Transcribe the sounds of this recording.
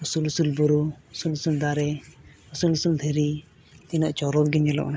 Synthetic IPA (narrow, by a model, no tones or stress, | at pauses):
usulusulbuɾuusulusuld̪aɾɛ | usulusuld̪ʱɛɾi | t̪inaʔt͡ʃɔɾɔɡiɲɛlɔ̰ʔ